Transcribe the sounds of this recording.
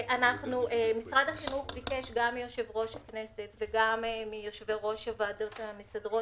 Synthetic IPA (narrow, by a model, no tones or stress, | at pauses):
ʔanaχnuʔemisʁadaχinuχbikeʃɡamːijo̞ʃe̞vʁo̞ʃakne̞se̞t̪veɡammijoʃveʁo̞ʃavad̪o̞t̪amisadʁo